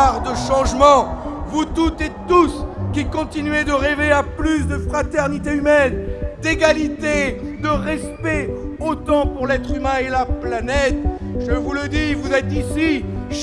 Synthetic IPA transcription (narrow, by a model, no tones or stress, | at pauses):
ʁd̪əʃɑ̃ʒmɑ̃vut̪ut̪ɛt̪ːuskʲikɔ̃t̪inyed̪əʁeveaplysd̪əfχat̪ɛʁnit̪eymɛnd̪eɡalit̪ed̪əʁɛspɛot̪ɑ̃puʁlɛt̪χymɛ̃elaplanɛt̪ | ʒəvuləd̪ivuzɛt̪isiʃ